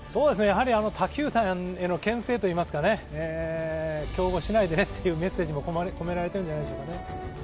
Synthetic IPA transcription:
so̞ːd̪e̞sɨnejaɦaɾʲiano̞t̪ʰakʲɨːt̪ãŋe̞no̞kẽ̞ɰ̃se̞ːt̪o̞iːmasɨ̥kane̞ː | kʲo̞ːɡo̞ɕinaid̪e̞ne̞t̪ːejɯ̟ːme̞sːe̞ːʑimo̞koko̞me̞ɾaɾeeɯ̃ɲd͡ʑanaid̪eɕokane̞

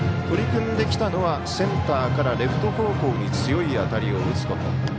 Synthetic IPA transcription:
t̪o̞ɾʲikɯ̟̃nd̪e̞kʲi̥t̪ano̞βa | sẽ̞nt̪aːkaɾaɾe̞ɸɯ̟̥t̪o̞ho̞ːko̞ːɲ̟it͡sɨjo̞iat̪aɾʲio̞ɯt͡sɨ̥k̪ot̪o

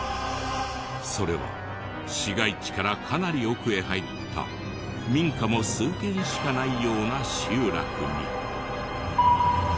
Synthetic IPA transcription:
so̞ɾe̞̰βa̰ | ɕiɡait͡ɕi̥kaɾakʰanaɾʲio̞kɯ̟e̞ɦait̪ʰːa̰ | mʲĩŋkamo̞sɨːk̪ẽ̞ɰ̃ɕi̥kanaijo̞ːnaɕɨːɾa̰kɯ̟ɲ̟ḭ

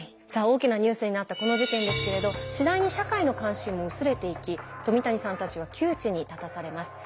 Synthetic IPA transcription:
sao̞ːkʲinaɲ̟ɨːsɨɲ̟inat̪ːako̞no̞ʑik̪ẽ̞nd̪e̞sɨ̥ke̞ɾe̞d̪o̞ɕid̪aiɲ̟iɕakaino̞kãɰ̃ɕĩmːo̞ɯ̟sɨɾe̞t̪e̞ikʲit̪o̞mʲit̪aɲ̟isãnt̪at͡ɕiβ̞akʲʰɨːt͡ɕiɲ̟it̪at̪asaɾe̞masɨ̥

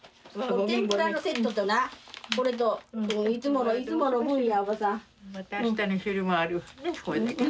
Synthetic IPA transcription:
oeẽmpɯɾanose̞t̪ːot̪onakoɾet̪oɯ̃it͡sɨmo̞noit͡st͡sɨmo̞nohɯ̃ɰ̃jaβasa | ĩt̪aniɕɯɾɯmaaɾɯnekoe

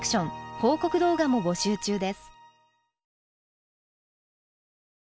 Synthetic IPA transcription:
kɯ̥ɕõ̞ŋho̞ːko̞kɯ̟d̪o̞ːɡamo̞bo̞ɕɨːt͡ɕɨːd̪e̞sɨ̥

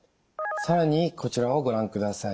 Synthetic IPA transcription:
saɾaɲ̟ikʰo̞t͡ɕiɾao̞ɡo̞ɾãŋkɯ̟d̪asai

